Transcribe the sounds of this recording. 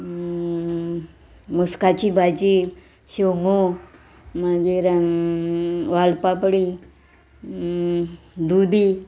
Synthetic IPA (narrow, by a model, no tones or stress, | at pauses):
muskat͡ɕibʱad͡ʑi | ɕoŋo | mad͡ʒeɾ | ʋalpapɽi | d̪ud̪i